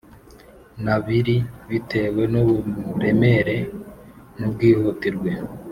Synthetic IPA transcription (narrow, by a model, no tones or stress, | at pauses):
naβiɾiβite̞we̞nuβuɾe̞me̞ɾe̞ | nub̚ɡiːhutiɾɡwe̞